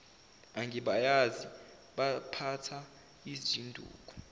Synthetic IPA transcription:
aŋɡʱiɓajazi | ɓapʰatʰa | isid̥ʒ̥ʱindʱṵːk̬ʼɔ̥

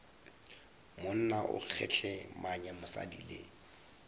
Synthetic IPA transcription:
mʊn̩naʔʊ̰k͡xʰɛ̰t͡ɬʰɛmaɲɛmʊsa̰dḭːlɪ

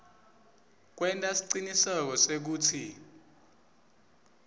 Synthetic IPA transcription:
k̬wɛntʼasi̥ǀinisɛk̬ɔsek̬uːtʰi

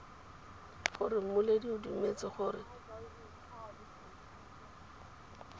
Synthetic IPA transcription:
χʊrɪmʊlediʊdumet͡sɪχʊːɾɪ

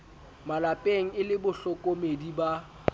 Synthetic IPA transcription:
malapʼeŋ̩ɪlɪbʊɬɔkʼomediba

